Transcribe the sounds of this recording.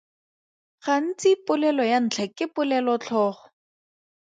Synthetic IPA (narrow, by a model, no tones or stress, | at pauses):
χan̩t͡sɪpʊlɛlɔjan̩t͡ɬʰakɪpʊlɛlɔt͡ɬʰɔːχɔ̥